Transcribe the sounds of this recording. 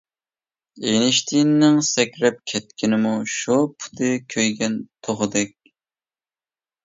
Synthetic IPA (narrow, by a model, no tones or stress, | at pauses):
enɪʃt̪ʰinnɪŋsɛkʲɾɛp̚kʲʰɛt̪̚kʲʰinɪmuʃupʰu̥t̪ʰɨkʲʰøjɡʲɛnt̪ʰoʁɨd̪ɛkʲ